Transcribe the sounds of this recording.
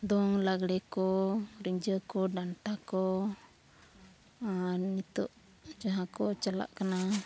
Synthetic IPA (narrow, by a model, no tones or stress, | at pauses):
d̪ɔŋlaɡɽɛkɔɾiɲd͡ʒəkɔdant̪akɔ | nit̪ɔ̰ʔ | d͡ʒaɦakɔt͡ʃala̰ʔkana